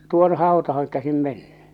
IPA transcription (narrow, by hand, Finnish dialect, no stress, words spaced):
tuone̥ hɑotɑhɑŋ kæsim menːẙ